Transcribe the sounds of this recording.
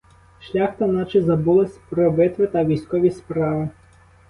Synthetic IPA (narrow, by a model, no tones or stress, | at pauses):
ʃlʲaxt̪ɐnat͡ʃɪzɐbulˠɐsʲpɾɔbɪt̪ʋɪt̪ɐʋʲijsʲkɔʋʲispɾaʋɪ